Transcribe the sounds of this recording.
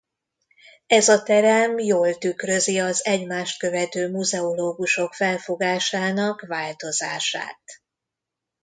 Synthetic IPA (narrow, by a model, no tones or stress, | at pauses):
ɛzɒt̪ɛɾɛmjoːlt̪ykrø̞ziɒzɛɟmaːʃt̪̚kø̞vɛt̪øːmuzɛoloːɡuʃo̞kfɛlfo̞ɡaːʃaːnɒkvaːlt̪o̞zaːʃa̰ːt̪